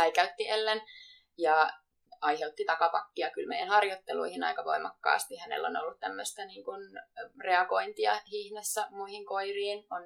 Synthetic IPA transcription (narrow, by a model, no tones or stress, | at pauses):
æikæyt̪ːielːen | jɑ | ɑiheut̪ːit̪ɑkɑpɑkːiɑkylmeijænhɑrjot̪ːelṵihinɑ̰ikɑʋo̰imɑkːɑ̰ːst̪ihænḛlːo̰no̰lːut̪t̪æmːøst̪æniːŋkunreɑko̞int̪iɑ̰hihnesːæmuihiŋkoiriːnon